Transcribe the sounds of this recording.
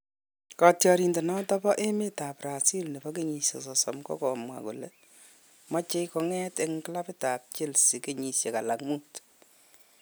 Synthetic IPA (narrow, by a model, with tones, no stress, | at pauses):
kɔ˨tjɔ˨ɾi˨nde˨nɔ˦tɔ˦bɔ˦ʔe˦mi˦ta˨pɾa˨si˦lne˨bɔ˦k̬e˦ɲi˨sjḛ˨sɔ˨sɔ˨mkɔ̰˦kɔ˨mwa̰˨kṵ˨le˨ | mɔ˦t͡ʃe˦kɔ˧ŋɛ˦te˦ŋ˦kla˦pɪ˦ta˨p̚t͡ʃɪ˦lsi˨ke˦ɲi˨sje˨ka˨la˨kmu˦t